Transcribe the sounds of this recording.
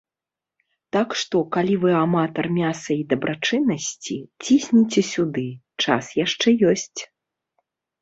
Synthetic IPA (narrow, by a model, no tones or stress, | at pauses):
t̪akʂt̪ɔkalʲivɨamat̪ɐrmʲasɐid̪ɐbɾat͡ʂɨnːɐsʲt͡sʲit͡sʲisʲnʲit͡sʲɛsʲud̪ɨ | t͡ʂa̰sjaʂt͡ʂɛjɔsʲt͡sʲ